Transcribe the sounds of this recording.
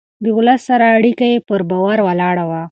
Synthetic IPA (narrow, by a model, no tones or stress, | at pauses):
d̪əʊləsːaɾaːɽikajepəɾbɑwaɾwalɑɽawa